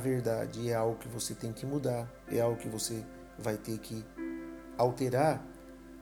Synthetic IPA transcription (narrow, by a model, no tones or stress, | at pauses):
veɾd̪a̰d͡ʒɪɛawɡʊkɪvoset̪ẽj̃kɪmud̪aɾ | ɛ̰awɡʊkɪvose | vajt̪eɾkʰɪ | awt̪eɾaɾ